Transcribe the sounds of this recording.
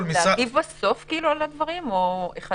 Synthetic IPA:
miaɡivbaso̞fkiːlualad̪vaʁimoeχa

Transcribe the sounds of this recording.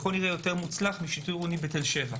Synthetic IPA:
χolniʁejo̞t̪e̞ʁmut͡slaχmiʃit̪ujʁonibet̪elʃe̞va

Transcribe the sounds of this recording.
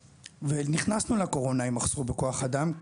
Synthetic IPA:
veniχnasnuleako̞ʁo̞naimaχz̥ubeko̞aχadam

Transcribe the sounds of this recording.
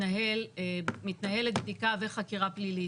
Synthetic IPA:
naɦelemit̪naɦe̞let̪̚b̚d̪ikaveχakiʁaplili

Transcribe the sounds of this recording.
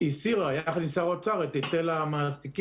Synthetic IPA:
isiʁajaaχnisaʁot͡saʁet̪itelamast̪ik

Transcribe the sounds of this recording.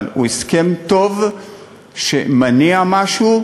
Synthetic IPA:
lṵeskemt̪o̞v | ʃḛmaniamaʃu

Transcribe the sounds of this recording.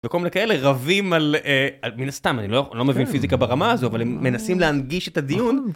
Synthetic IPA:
veko̞lminekaele̞ʁavimalealminast̪amanilojlo̞me̞vinfizikabaʁamaːzoavalemːe̞nasimleanɡiʃetadijun

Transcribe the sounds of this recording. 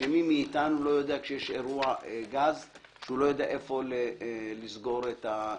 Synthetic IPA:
emimiːt̪anulo̞jo̞d̪eakʃejeʃeʁuaeɡaz | ʃeulo̞jo̞d̪ea̰ʔefo̞lelizɡo̞ɾet̪a

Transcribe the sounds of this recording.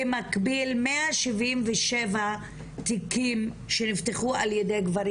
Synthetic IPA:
emakbilmeaʃivimveʃeva | t̪ikim | ʃenift̪eχualjedejɡvaɾi

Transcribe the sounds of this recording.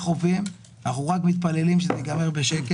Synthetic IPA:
χovim | naχuʁakmit̪̚pale̞limʃezeɡameʁbeʃeke

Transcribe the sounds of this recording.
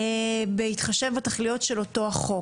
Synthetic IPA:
behit̪χaʃe̞vataχlijo̞tʃelo̞to̞aχo̞

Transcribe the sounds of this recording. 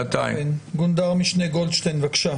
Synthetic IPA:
at̪a̰jnɡund̪aʁmiʃnejɡold̪ʃt̪ejnvakʃa

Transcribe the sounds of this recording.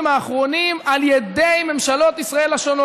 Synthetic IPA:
maːχʁo̞nimaljed̪e̞jme̞mʃalo̞t̪isʁae̞laʃono

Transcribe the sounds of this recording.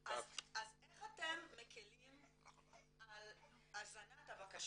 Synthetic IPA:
ʔazazeχat̪emːekilim | al | azɾanat̪avakaʃ

